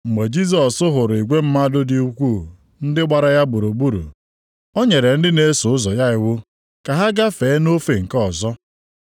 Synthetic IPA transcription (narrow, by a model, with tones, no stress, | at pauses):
ŋ͡m̩˨me˨d͡ʒi˦s̬ɔ˨sʊ˦ɦʊ˨ɾʊ˨i˨ɡʷe˦m̩˦ma˦dʊ˦di˦u˦kʷu˦˨ | n̩˦dɪ˦ɡ͡ba˨ɾa˦ja˦bu˨ɾo˨ɡ͡bu˦ɾṵ˨ | o˦ɲe˨ɾe˨n̩˦dɪ˦ne˦sʊ˨˦ʊ˦zɔ˨ja˦ɪ˦wʊ˦ | ka˨ɦa˦ɡa˦fe˨˦no˦fe˨ŋ̩˨kɔ˦˨zɔ˦